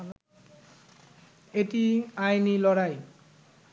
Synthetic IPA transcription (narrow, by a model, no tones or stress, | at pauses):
etiajnilɔɽaj